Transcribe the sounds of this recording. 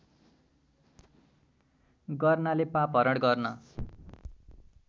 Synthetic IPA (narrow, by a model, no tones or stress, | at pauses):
ɡʌrnalepapɦʌɾʌɽɡʌrnʌ